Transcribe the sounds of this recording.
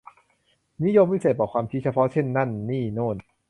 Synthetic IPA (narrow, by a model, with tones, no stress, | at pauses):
ni˦˥˨jo˧mːi˦˥seː˨˩t̪̚bɔː˨˩kʰwaː˧mt͡ɕʰi˦˥˩t͡ɕʰa˧pʰɔ˦˥t͡ɕʰe˥˩nːa˥˩nːiː˥˩noː˥˩n